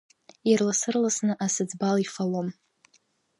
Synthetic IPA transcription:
irlasɨrlasnɨʔasɨd͡zbalifalom

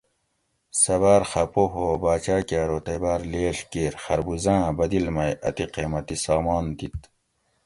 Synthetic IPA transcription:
sɐβaːɾxɐpoɦoːbaːt͡ɕaːkaːɾoːt̪ɐbaːɾleːɬkeːɾxɐɾbuzãːbɐd̪ilmɐjɐ̰t̪iqeːmɐt̪isaːmaːnt̪it̪

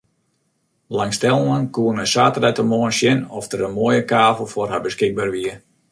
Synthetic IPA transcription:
laŋstɛlˠmankuənəsaːtərɛjtəmoənsjɪnɔfdəɾəmoːjəkaːvəlˠforɦabəskɪɡ̚baːrʋiə

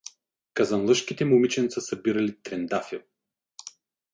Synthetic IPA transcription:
kazanlˠɤʃkit̪ɛmumit͡ʃɛnt̪sasɐbiɾalit̪ɾɛnd̪afilˠ

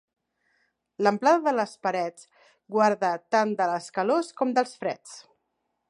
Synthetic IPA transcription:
ləmplaðəðələspəɾɛt͡s | ɡwaɾðət̪and̪ələskəloskɔmd̪əlˠsfɾɛt͡s

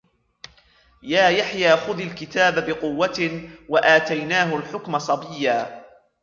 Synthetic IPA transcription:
jaːjaħjaːxʊðalkɪt̪aːbabɪqʊwːat̪waʔaːt̪ajnaːɦʊlħʊkmasˤɑbɪjːaː

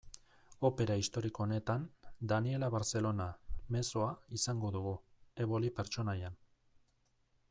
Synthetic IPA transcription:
o̞pe̞ɾaist̪o̞ɾiko̞ne̞t̪and̪anie̞laβaɾt͡se̞lo̞name̞soaisaŋɡo̞ðuɣue̞βo̞lipe̞ɾt͡ʃo̞najan

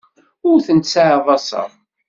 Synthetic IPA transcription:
ʊɾθənt̪saʕðˤɑsɑ̰

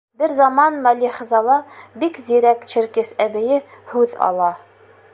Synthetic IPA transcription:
bɘɾzɑmɑnmælʲiχɘ̆zɑlˠɑbikziɾækt͡ʃɘ̆ɾkɘsæbɘ̆jɘhʉðɑ̰lˠɑ

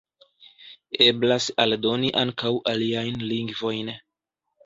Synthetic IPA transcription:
e̞blasaldo̞niʔaŋkawʔaliajnliŋɡvo̞jn

